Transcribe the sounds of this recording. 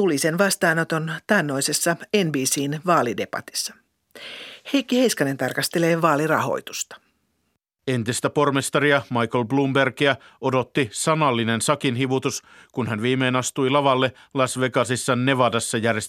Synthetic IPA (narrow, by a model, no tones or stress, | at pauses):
t̪ulise̞nʋɑst̪ɑːnot̪o̞nt̪ɑnːo̞jse̞sːɑenbiːsiːnʋɑːlideb̥ɑ̰t̪i̥sːɑ̥ | hejkːihejskɑne̞nt̪ɑrkɑst̪e̞le̞ːʋɑːlirɑ̰ɦo̞̰jt̪u̥st̪ɑ̥ | e̞nt̪ist̪æpo̞rmest̪ɑriɑmɑjkolblumberkiæʔo̞do̞t̪ːisɑnɑlːine̞nsɑkinɦiʋut̪uskunɦænʋiːmeːnɑst̪ujlɑʋɑlːe | lɑsʋekɑsisːɑnːe̞ʋɑdɑsːɑjærjes